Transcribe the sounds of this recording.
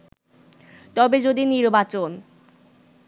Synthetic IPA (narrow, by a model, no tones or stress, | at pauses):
t̪ɔbed͡ʑod̪iniɾbat͡ɕon